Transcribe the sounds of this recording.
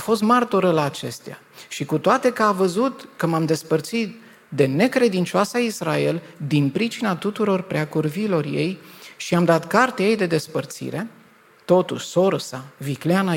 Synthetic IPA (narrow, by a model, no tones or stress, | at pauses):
fo̞st̪mart̪oɾəlaːt͡ʃe̞st̪ea̰ | ʃikut̪oat̪e̞kəavəzut̪kəmamd̪e̞spərt̪sit̪̚ | d̪e̞ne̞kɾe̞d̪int͡ʃoasaisrae̞ld̪inpɾit͡ʃinat̪ut̪uɾo̞rpɾeakurvilo̞rje̞̰jʃiamd̪at̪kart̪ejejd̪e̞d̪e̞spərt̪sḭɾe̞ | t̪o̞t̪ṵʃʲso̞ɾsavikleana